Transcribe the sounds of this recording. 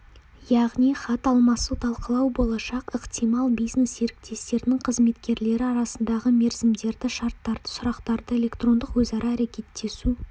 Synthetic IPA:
jɑʁnijχɑt̪ɑlˠmɑsut̪ʰɑlˠqəlˠɑwbo̞lˠɑʃɑqəqt̪ijmɑlˠbijznesje̞ɾɪk̚t̪ʰe̞st̪e̞ɾɪnɪŋqʰəzme̞t̪kʲe̞ɾle̞ɾɪɑɾɑsənd̪ɑʁəme̞ɾzɪmd̪e̞ɾd̪ɪʃɑɾt̪ːɑɾd̪əsʊɾɑqt̪ɑɾd̪əe̞lʲe̞kt̪ro̞nd̪əqwɵzɑɾʔɑːɾe̞kʲe̞t̪ːe̞su

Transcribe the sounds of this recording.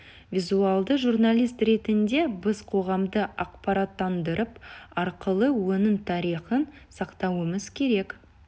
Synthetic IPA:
vʲizuɑlˠd̪əʒurnalʲijst̪ɾe̞t̪ɪnd̪e̞bɪzqʰo̞ʁɑmd̪əʔɑqpɑɾɑt̪ːɑnd̪əɾəpɑɾqəlˠəwɵnɪmt̪ʰɑɾiχənsɑqt̪ɑwəməzkʲʰe̞ɾe̞k

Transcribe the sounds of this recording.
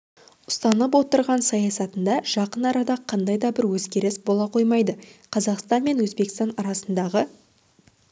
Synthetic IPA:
ʊ̥st̪ɑnəp̬wo̞t̪əɾʁɑnsɑjɑsɑt̪ənd̪ɑʒ̥ɑqənɑɾɑd̪ɑqʰɑnd̪ɑjd̪ɑbɪɾwɵzɡʲe̞ɾɪsbolˠɑqʰo̞jmɑjd̪əqʰɑzɑqst̪ɑnme̞nwɵzbe̞kst̪ɑnɑɾɑsənd̪ɑʁə

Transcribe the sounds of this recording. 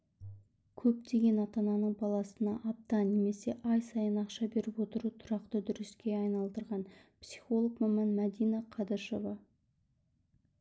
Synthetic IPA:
kʲʰɵp̚t̪e̞ɡʲe̞nɑt̪ɑnɑnəɴbɑlˠɑsənɑʔːp̚t̪ɑne̞me̞se̞ʔɑjsɑjənɑqʃɑbe̞ɾɪpwo̞t̪əɾut̪ʰʊɾɑqt̪əd̪ʏɾɪskʲe̞ɑjnɑlˠd̪əɾʁɑnpsi̥χo̞lˠokmæmɑnmæd̪ijnɑqʰɑd̪əɾʃo̞vɑ

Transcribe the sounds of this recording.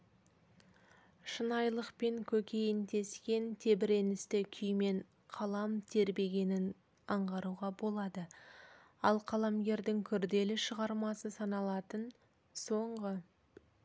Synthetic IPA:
ʃənɑjlˠəqpe̞ŋkʲʰɵkʲe̞jɪnt̪ʰe̞skʲe̞nt̪ʰe̞bɪɾe̞nɪst̪ɪkʲʰʏjme̞ɴ | qʰɑlˠɑmt̪ʰe̞ɾbe̞ɡʲe̞nɪn | ɑɴʁɑɾuʁɑbo̞lˠɑd̪ə | ɑlˠqʰɑlˠɑmɡʲe̞ɾd̪ɪŋkʲʰʏɾd̪e̞lɪʃəʁɑɾmɑsəsɑnɑlˠɑt̪ən | so̞ɴʁə

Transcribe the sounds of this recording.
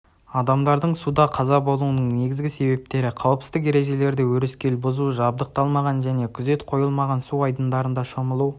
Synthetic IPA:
ɑd̪ɑmd̪ɑɾd̪əɴsud̪ɑqʰɑzɑbo̞lˠunəɴne̞ɡʲɪzɡʲɪse̞be̞p̚t̪e̞ɾɪqʰɑwəpsɪ̥zt̪ɪke̞ɾe̞ʒe̞le̞ɾd̪ɪwɵɾɪskʲe̞lbʊzuʒɑb̚d̪əq̚t̪ɑlˠmɑʁɑnʒæne̞kʲʰʏze̞t̪qʰo̞jəlˠmɑʁɑnsuɑjd̪ənd̪ɑɾənd̪ɑʃoməlˠu

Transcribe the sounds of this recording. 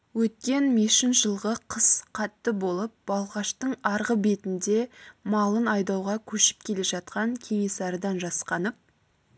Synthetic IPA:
wɵt̪̚kʲe̞nmeʃɪnʒ̥əlˠʁəqʰəz̥qʰɑt̪ːəbo̞lˠəp̚b̥ɑlˠʁɑʃt̪əɴɑɾʁəbe̞t̪ɪnd̪e̞mɑlˠənɑjd̪ɑwʁɑkʲʰɵʃɪ̥p̚kʲʰe̞le̞ʒɑt̪̚qɑŋkʲʰe̞ŋe̞sɑɾəd̪ɑnʒɑsqɑnəp̚

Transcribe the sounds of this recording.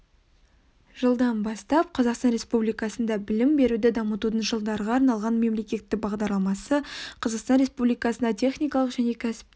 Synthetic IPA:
ʒ̥əlˠd̪ɑnbɑst̪ɑp̚qʰɑzɑqst̪ɑnɾe̞spublijkɑsənd̪ɑbɪlɪmbe̞ɾud̪ɪd̪ɑmət̪ud̪ənʒəlˠd̪ɑɾʁɑːɾnɑlˠʁɑnme̞mle̞kʲe̞t̪ːɪk̚bɑʁd̪ɑɾlˠɑmɑsəqʰɑzəqst̪ɑnɾe̞spublijkɑsənd̪ɑt̪ʲʰe̞χnijkɑlˠəqʒæne̞kʲʰæsɪ̥p

